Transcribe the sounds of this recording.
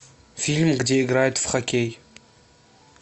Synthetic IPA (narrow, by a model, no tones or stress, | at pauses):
filmɡd̪eiɡɾajət̪fχɔkʲej